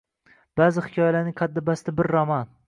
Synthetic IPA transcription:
b̥aːzɪhɪ̥kʲʰɒjalaɾnɪŋqʰɑd̪ːɪbast̪abɪɾːaman

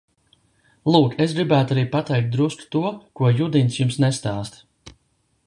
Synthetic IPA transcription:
lˠuːkes̬ɡɾibæːt̪aɾiːpat̪ɛjk̚t̪̚d̪ɾusku̥t̪uɔkuɔjud̪int̪sjumsnɛst̪aːst̪

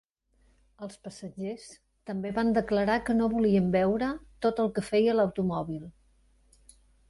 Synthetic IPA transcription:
əlˠspəsəʒes | t̪əmbeβand̪əkləɾakənoβuliəmbɛwɾət̪ot̪əlˠkəfɛjələwt̪umɔβilˠ

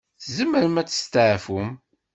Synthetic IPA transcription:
θzəmːəɾəmæt͡sːə̥st̪əʕfum

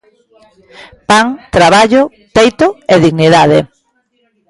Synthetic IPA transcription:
paŋt̪ɾaβaʎo | t̪ejt̪oeðiɣniðaðe

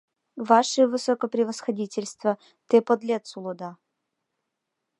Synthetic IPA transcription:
vaʂɨjvɨsokəpɾʲɪvəsxɐdʲitʲɪlʲst̪və | t̪ɨpɔd̪lʲet̪sʊlˠʊd̪a

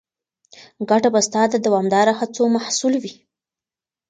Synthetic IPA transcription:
ɡaʈabast̪ɑd̪ad̪awɑmd̪ɑɾahat͡somaħsulwi

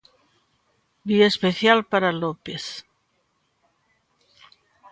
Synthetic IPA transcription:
biaespeθjalpaɾalopeθ

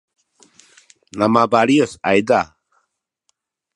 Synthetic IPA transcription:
namaːbaːɽiəsajd̪aː

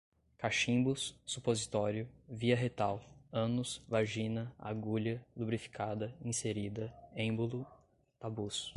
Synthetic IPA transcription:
kaʃĩbusːupozit̪ɔɾjʊviɐɦet̪awɐ̃nʊsvaʒĩnɐa̰ɡuʎɐlubɾifi̥kʰad̪ɐĩseɾid̪ɐẽbulʊ | t̪abus

